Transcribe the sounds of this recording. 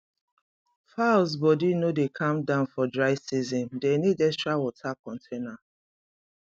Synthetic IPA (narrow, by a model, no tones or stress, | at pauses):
faʊsbɔdinodekʰãmdãʊ̃nfɔdɹaɪsizɔ̃ndenidɛstɹawɔtʰakɔ̃ntʰena